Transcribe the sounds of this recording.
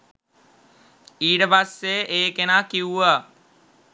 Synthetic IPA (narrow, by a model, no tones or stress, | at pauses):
iːʈəpasːeʔeːkenaːkiuʋa